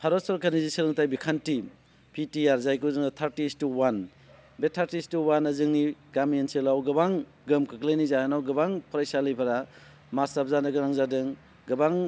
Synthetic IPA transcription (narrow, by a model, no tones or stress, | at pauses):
pʰaɾɔsɔɾkanizisiɾɯŋtajbikʰanti | pʰitiaɾzajkuzɯŋat̪ʰaɾtistuwan | betʰaɾtistuwanɐzɯŋniɡamienselawɡɯbaŋ | ɡɯmkʰɯklajnizahanawɡɯbaŋpʰɔɾajsalɯjpʰaɾa | masapzanɯɡɯɾaŋzadɯŋ | ɡɐbaŋ